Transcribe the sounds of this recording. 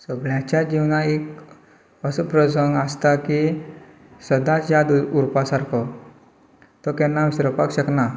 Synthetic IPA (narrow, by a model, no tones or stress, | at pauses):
səɡɭjat͡ɕad͡ʑiwnaek | əsəpɾəsəŋɡast̪aki | səd̪asjad̪uuɾpasaɾkʰɔ | t̪ɔkɛnːaʋisɾəpakɕəkna